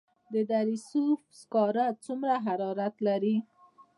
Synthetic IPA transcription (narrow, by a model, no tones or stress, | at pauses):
d̪əd̪aɾisufskɑɾat͡sumɾaɦaɾɑɾat̪laɾi